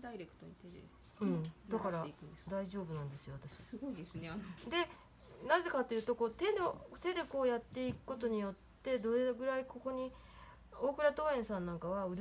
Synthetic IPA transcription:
d̪aiɾekɯ̥t̪oɲit̪ed̪ḛ | ɯ̟̃ɴd̪akaɾaiɯnd̪esd̪aiʑo̞ːbɯ̟nãnd̪e̞sɨjo̞βat̪aɕi̥sɡoid̪esɨnead̪e̞ | naze̞kat̪ojɯ̟ːt̪o̞ko̞ːt̪e̞not̪e̞d̪e̞ko̞ːjat̪ːe̞ikɯ̟̥ko̞t̪o̞ɲ̟ijo̞t̪ːe̞d̪oeɡɯ̟ɾaikʰo̞ko̞ɲ̟i | o̞ːkɯ̟ɾat̪o̞ːẽ̞ɰ̃sãnːãŋkaβaɯ̟ɾ

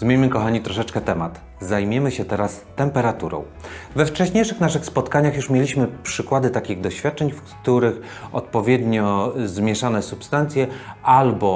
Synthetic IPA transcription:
zmʲjeɲmɘkɔxaɲit̪ɾɔʂɛt͡ʂkɛt̪ɛmat̪ | zajmʲɛmɘɕɛt̪ɛɾast̪ɛmpɛɾat̪uɾɔ̰̃w̃vɛft͡ʂɛɕɲejʂɘxnaʂɘxspɔt̪kaɲaxjuʂmʲjelʲiɕmɘpʂɘkwad̪ɘt̪akʲiɣd̪ɔɕfʲjat̪̚t͡ʂɛɲfkt̪uɾɘx | ɔ̰t̪̚pɔvʲjɛd̪ɲɔzmʲjɛʂanɛsupst̪ant̪sʲjɛalbɔ

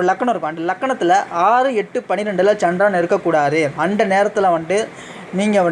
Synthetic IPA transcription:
ɾɯlɐkːɐɳ̃mɪɾɯkːʊ̃ɐnd̪ɐlɐkːɐɳɐt̪ːɪlɐʔaːɾɯɛʈːɯpɐɳɪɾɛɳɖɯlat͡ʃɐndraːnɛɾɯkːɐkːuːɽaːðɯɐnd̪ɐneːɾɐt̪ːɯlɐʋɐɳɖɯ | niːŋɡɐʋɐ

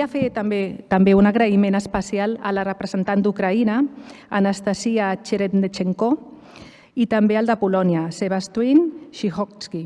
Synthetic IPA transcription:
afet̪ambet̪ambeunaɣɾəimenəspəsialə̰lərəpɾəzənt̪and̪ukɾaina̰ːnəst̪aziat͡ʃeɾet̪net͡ʃeŋko | it̪ambeəlˠd̪əpulɔniaseβast̪winʃixɔkski

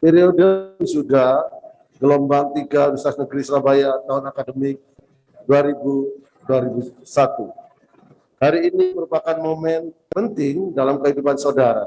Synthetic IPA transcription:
pɛɾiodəisudah | ɡəlombaŋt̪iɡaɾusasnəɡɾisɾabajat̪aɦʊnakadəmik̚ | duaɾibu | duaɾibusat̪u | haɾiːniməɾupakanmomɛnpənt̪ɪŋdalamkəɦidupansaudaɾa̰

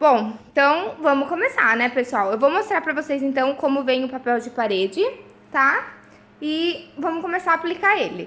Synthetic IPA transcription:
b̥õw̃t̪ɐ̃w̃vɐ̃mʊkõmesa̰nɛpesuawewvowmost̪ɾaɾpɾɐvosejzẽt̪ɐ̃w̃kõmʊvẽj̃ʊpapɛwd͡ʒɪpaɾed͡ʒɪ | t̪a | ɪvɐ̃mʊkõmesaɾɐplikaɾelɪ

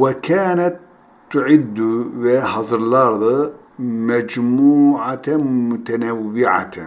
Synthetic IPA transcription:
wɪkaːnat̪ː | ʊʕɪd̪ːubɪhɑzˤɾlɑɾðˤɑ | mad͡ʒmuːʕamʊt̪anawːɪʕa̰

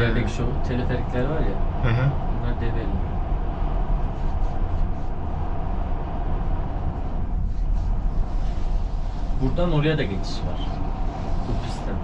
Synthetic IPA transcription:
eekʃout̪ʰeɾefeɾicʲlʲæɾvaɾjahɦbunlˠaɾd̪evelim | buɾd̪ano̞ɾajad̪aɟet͡ʃʰi̥ʃva̰ɾ̥ | busist̪ʰæm

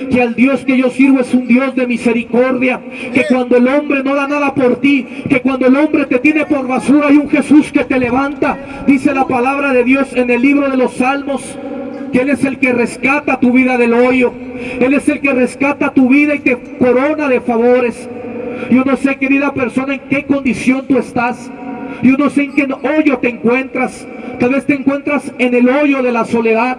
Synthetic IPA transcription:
keald̪jo̞ske̞ʝo̞siɾβoesund̪jo̞zðe̞mise̞ɾiko̞ɾðja | ke̞kwand̪o̞elo̞mbɾe̞no̞ðanaðapo̞ɾt̪ike̞kwand̪oelo̞mbɾe̞t̪e̞t̪jene̞po̞ɾβasuɾaajuŋxe̞suske̞t̪e̞le̞βant̪a | d̪ise̞lapalaβɾaðe̞ðjo̞se̞ne̞lːiβɾo̞ðe̞lo̞salmo̞s | keele̞se̞lke̞re̞skat̪at̪uβiðaðe̞lo̞jo̞ | e̞le̞se̞lke̞re̞skat̪at̪uβiðait̪e̞ | ko̞ɾo̞naðe̞faβo̞ɾe̞sʝo̞no̞se̞ke̞ɾiðape̞ɾso̞naeŋke̞ko̞nd̪isjo̞nt̪ue̞st̪as | jo̞no̞se̞ːŋkeno̞ʝo̞t̪e̞ːŋkwe̞nt̪ɾas | t̪alβe̞st̪eŋkwe̞nt̪ɾase̞ne̞lo̞ʝo̞ðe̞laso̞le̞ðað

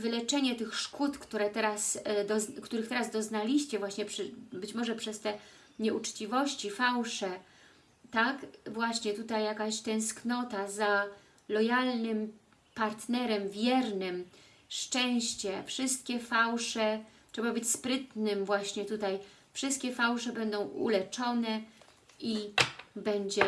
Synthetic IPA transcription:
vɘlɛt͡ʂɛɲɛt̪ɘxʂkut̪kt̪uɾɛt̪ɛɾasd̪ɔkt̪uɾɘxt̪ɛɾazd̪ɔznalʲiɕt͡ɕɛvwaɕɲɛpʂɘbɘt͡ɕmɔʐɛpʂɛst̪ɛ | ɲɛʔut͡ʂt͡ɕivɔɕt͡ɕifawʂɛ | t̪akvwaɕɲɛt̪ut̪ajːakaɕt̪ɛ̃w̃sknɔt̪aza | lɔjalnɘm | paɾt̪nɛɾɛmvʲjɛɾnɘm | ʂt͡ʂɛ̃w̃ɕt͡ɕɛfʂɘst̪̚kʲɛfawʂɛtʂɛbabɘt͡ɕspɾɘt̪nɘmvwaɕɲɛt̪ut̪aj | fʂɘst̪kʲɛfawʂɛbɛnd̪ɔ̃w̃ʔṵlɛt͡ʂɔnɛ | ibɛɲd͡ʑɛ

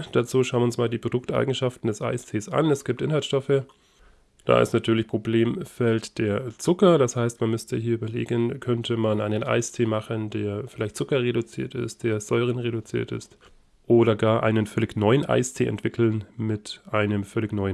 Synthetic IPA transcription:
d̥at͡suːʃaʊənɪʊnsmaːldiːpʁ̥odʊktʔa̰ɪɡŋ̩ʃaftn̩dɛsʔa̰ɪstʰeːsʔa̰nɛsɡ̥iːp̚tʔɪnhaltʃtɔfə | d̥a̰ːɪ̰stnatʰyːɐlɪçpʁ̥obleːmfɛltd̥eːɐt͡sʊkɐdashaɪstmanmʏstʰəɦiːɐyːbɐlḛːɡənkʰœntʰəmanʔaɪnənʔa̰ɪstʰeːmaχəndeːɐfɪlaɪçt̚t͡sʊkɐʁedʊt͡sḭːɐtɪ̰st̚d̥eːɐzɔʏʁ̞ənʁedʊt͡sḭːɐtɪ̰st | ʔoːɾɐɡaːɐʔa̰ɪnənfœlɪçnɔʏənʔa̰ɪstʰḛːʔɛ̰ntv̥ɪkl̩nmɪtʔaɪnəmfœlɪçnɔʏən

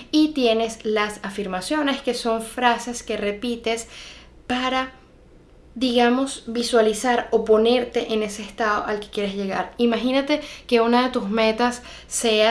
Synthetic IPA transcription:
it̪je̞ne̞slasafiɾmasjo̞ne̞ske̞so̞ɱfɾase̞ske̞re̞pit̪e̞s | paɾa | ðiɣamo̞sbiswalisaɾo̞po̞ne̞ɾt̪e̞ʔene̞se̞ːst̪að̞o̞̰ʔalke̞̥kje̞ɾezʝe̞ɣa̰ɾimaxinat̪e̞ke̞unaðe̞t̪uzme̞t̪asː | e̞a

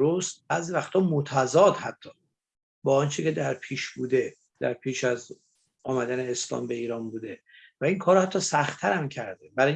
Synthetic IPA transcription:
ɾost̪̚bæːzivæxt̪ʰɒːmot̪ʰæzɒːd̪hæt̪ʰːɒː | bɒːɒnt͡ʃʰece̞d̪æɾpʰiːʃbuːd̪e | d̪̥æ̰ɾpʰiːʃæz | ɒːmæd̪æneːslɒ̰ːmbe̞iːɾɒːnbuːd̪e̞væiŋkʰɒːɾohæt̪ʰːɒːsæxt̪ʰæɾæmcʰæɾd̪ebæɾɒː

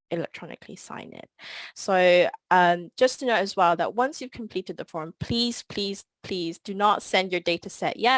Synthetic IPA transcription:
ɪlɛ̰k̚tʰɹ̥ɔnɪ̰kʰlḭsã̰ɪ̃nɪ̰t̚soʊʌ̃md͡ʒʌstʰɨnoʊtɨzwɛlˠðə̰ʔ̚wʌ̃nsjʉv̥kʰə̃m̩pʰl̥iɾɨd̪̚ðəfɔɹ̃mpʰl̥iz̥pʰl̥iz̥pʰl̥izdɨnətsɛ̃ndjə˞deɪtəsɛ̰ʔjɛ

